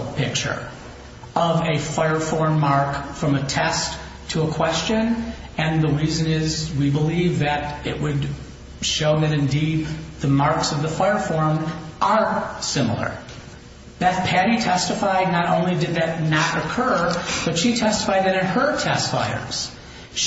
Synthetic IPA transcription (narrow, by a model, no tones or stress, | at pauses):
pɪk̚t͡ʃə̰˞ | ʔʌvɨfaɪə˞fɔɹmɑɹkfɹʌ̃mɨtʰɛst | tʰəəkʰw̥ɛst͡ʃɨ̃n | ɨ̃nðəɹizɨ̃nɪzwibəlivðɨɾɪ̰ʔ̚wɨd | ʃoʊnɨɾɨ̃ndid̪̚ðəmɑɹksʌvðəfaɪə˞fɔɹmʔə˞sɪ̃ml̩ˠə̰˞ | b̥ɨt̚pʰæɾitʰɛstəfaɪdⁿnəɾõ̰ʊ̃nlidɨd̪̚ðɨtⁿnəʔ̚ɨkʰɜ˞b̥ʌtʃitʰɛstə̥faɪɾɨ̃nɨn̚hə˞tʰɛstfaɪə̰˞z̥